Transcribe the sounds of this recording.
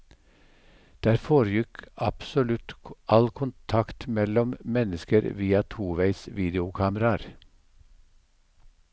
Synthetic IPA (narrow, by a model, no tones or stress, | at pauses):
d̪̥æːɾfoːɾjɪkɑpsɔlʉt̪ʔɑlkʰʊnt̪ʰɑkt̪mɛlɔmmɛnəskəɾʋiːɑt̪ʰuːʋæɪsʋiːd̪ɪʊkʰɑːməɾɑɾ